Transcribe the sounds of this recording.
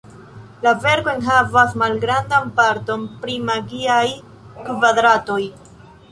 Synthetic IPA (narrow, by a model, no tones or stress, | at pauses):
lave̞ɾkoenɦavasmalɡɾandanpaɾto̞npɾimaɡiaj | kvad̪ɾato̞j